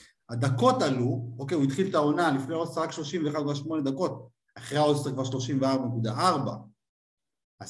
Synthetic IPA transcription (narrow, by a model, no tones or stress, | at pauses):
ad̪ako̞taluo̞ke̞juit̪χilt̪ao̞nalifneaodsaʁakʃlo̞ʃimveχad̪̚kvaʃmo̞ned̪ako̞t̚ | aχʁeaodsekvaʁʃlo̞ʃimveaʁbanekud̪aʔaʁba̰ | a